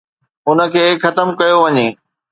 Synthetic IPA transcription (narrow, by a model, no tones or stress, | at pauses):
ʊnə̆kʰeːkxɐt̪əmkɐjoʋɐɲeː